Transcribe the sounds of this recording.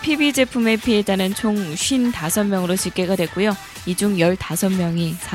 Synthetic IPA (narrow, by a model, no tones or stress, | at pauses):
pʰibid͡ʑe̞pʰume̞pʰied͡ʑanɯnt͡ɕʰoŋɕʰɥintasʰʌnmjʌŋɯɾoɕʰik͈e̞ɡadwek̚k͈ujo | id͡ʑuŋjʌɭtasʰʌnmːjʌŋisʰa